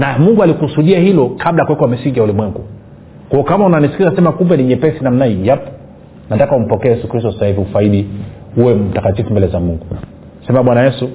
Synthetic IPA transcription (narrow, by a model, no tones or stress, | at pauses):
namuŋɡualikusuɗiahilɔkʰaɓlajakuwɛkɔamisiŋɡijaulimwɛŋɡu | kwaɔkamaunanisi̥kizasɛmakumbɛniɲɛpɛsinam̩naijapɔ̥ | natakaum̩pɔkɛɛjɛsukɾis̬tɔsasahiviufaiɗi | uwɛm̩takatifumbɛlɛzamuŋɡu | sɛmaɓwanajɛsu